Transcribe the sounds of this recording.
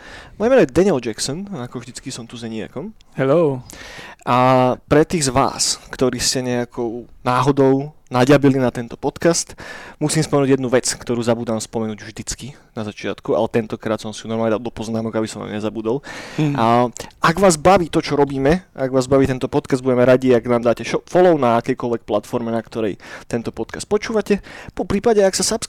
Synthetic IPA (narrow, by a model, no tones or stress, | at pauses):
mɔjɛmɛnɔjɛd̪ɛɲɛld͡ʒɛksɔnakɔvʒd̪it͡skisɔmt̪uzɛɲɪa̰kɔm | hɛlo | ʔapɾɛt̪iːɣzʋa̰ːskt̪ɔɾiːscɛɲɛakʰɔʊnaːɦɔd̪ɔʊ | naɟabilinat̪ɛnt̪ɔ̥pɔt̪kast̪musiːmspɔmɛnuːɟjɛd̪nuʋɛt͡skt̪ɔɾuːzabuːd̪aːmspɔmɛnuːɟvʒd̪it͡ski | nazat͡ʃɪat̪kua̰lɛt̪ɛnt̪ɔkɾaːt̪sɔmsiunɔɾmalɲɛd̪alˠd̪ɔpɔznaːmɔɡabisɔmʋa̰ːmɲɛzabuːd̪ɔl | aɡʋaːzbaʋiːt̪ɔt͡ʃɔɾɔbiːmɛaɡʋaːzbaʋiːt̪ɛnt̪ɔpɔt̪kazd̪̚buɟɛmɛɾaɟiaɡnaːmd̪aːcɛʃfɔlɔʊnaakɛjkɔlʋɛk̚plat̪fɔɾmɛnakt̪ɔɾɛjt̪ɛnt̪ɔpɔt̪kast̪pɔt͡ʃuːʋacɛpɔpɾiːpaɟɛaksasapsk